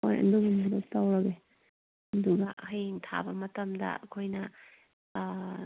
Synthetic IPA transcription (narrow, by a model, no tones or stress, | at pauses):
ojɐ̰nduɡumuɾok̚tawɾɐɡe | ɐduɡɐhɐjŋtʰa̰bɐmɐtɐmdɐ̰ɐkʰojnɐ